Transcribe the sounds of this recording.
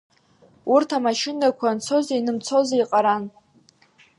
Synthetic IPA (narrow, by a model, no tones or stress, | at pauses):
urtʰamaʃɪnakʷʰant͡sʰo̞zainɨmt͡sʰo̞zaiqʼaɾan